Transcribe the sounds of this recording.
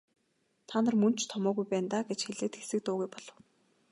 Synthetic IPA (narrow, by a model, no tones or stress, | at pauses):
t̪ʰaːnə̆rmɵnt͡ɕʰt̪ʰɔmɔːɣujpæːnt̪aːɡet͡ɕxeɮeːt̪xe̥sɘ̆k̚t̪ʊːɣujpɔɮ̥ɞ̆w